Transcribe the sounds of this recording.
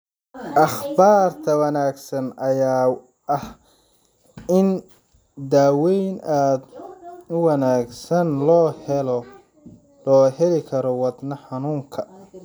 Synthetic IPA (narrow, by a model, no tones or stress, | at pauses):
ʔɐχbaːrt̪ʰɐwɑnaːɡsɐnʔɐjaː | ʔɐh | ɪn | d̪aːwɛjnʔaːd̪ʊwɐnaːɡsɐnlɔːhɛlɔ | lɔːhɛlɪkʰɐɾɔwɑd̪nɐħɑnuːŋkʰɐ